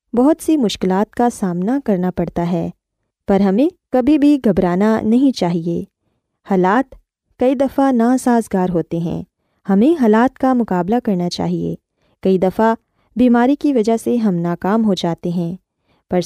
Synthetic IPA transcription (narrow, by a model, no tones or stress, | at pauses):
bɐɦʊt̪simʊʃkɪlaːt̪kasaːmnakɐɾnapɐɽt̪aɦɛː | pɐɾɦɐmẽkɐbʱibʱiɡʱɐbɾaːnanɐɦĩt͡ʃaːɦieː | haːlaːt̪ | kɐid̪ɐfanaːsaːzɡaːɾɦoːt̪eɦɛ̰̃ː | hɐmẽɦaːlaːt̪kamʊkaːblakɐɾnat͡ʃa̰ːɦiḛː | kɐid̪ɐfa | biːmaːɾikiʋɐd͡ʒaɦseɦɐ̃mnaːkaːmɦod͡ʒaːt̪eɦɛ̃ː | pɐɾ